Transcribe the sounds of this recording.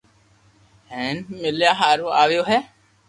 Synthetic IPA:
hɛ̃ːnmɪljaːɦaːɾuːaːʋjoːɦɛː

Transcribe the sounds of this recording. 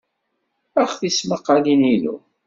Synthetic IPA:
æχθisməqːɑlinilṵ

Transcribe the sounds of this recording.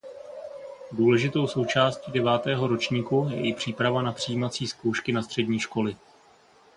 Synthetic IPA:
duːlɛʒɪt̪o̞wso̞wt͡ʃaːst̪ciːdɛvaːt̪ɛːɦo̞ɾo̞t͡ʃɲiːkujɛʔɪpr̝̥iːpɾavanapr̝̥ɪjiːmat͡siːsko̞wʃkɪnast̪r̝̥ɛdɲiːʃko̞lɪ

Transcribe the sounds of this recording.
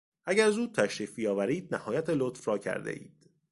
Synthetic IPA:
ʔæɟæɾzuːt̪ʰæʃɾiːfijɒːvæɾiːd̪̚næhɒːjæt̪ʰelot̪fɾɒːcʰæ̰ɾd̪ḛʔḭːd̪̥

